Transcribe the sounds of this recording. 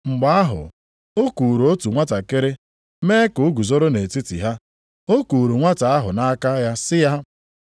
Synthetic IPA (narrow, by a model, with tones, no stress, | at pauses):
ŋ͡m̩˨ɡ͡ba˦a˦ɦʊ̰˨ | o˦ku˨ɾu˨o˦tu˨ŋʷa˦ta˨ke˦ɾɪ˦ | meː˦kʊ˨ʊ˦ɡu˨zo˦ɾo˦ne˨ti˦tḭ˨ɦa˦ | o˦ku˨ɾu˨ŋʷa˦ta˨a˦ɦʊ˨na˦ka˦ja˦sɪ˦ja˦